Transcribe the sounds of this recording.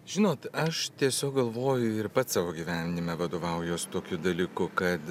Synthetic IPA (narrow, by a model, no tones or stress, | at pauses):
ʒʲɪnoːt̪ɐʃt̪ʲiɛsʲoːk̚ɡɐlˠʋoːjʊɪɾpɐt̪sɑːʋoːɡʲiːʋʲæːnʲnʲɪmʲɛʋɐd̪oːʋɐˑʊjoːst̪oːkʲʊd̪ɐlʲiːkʊkɐt̪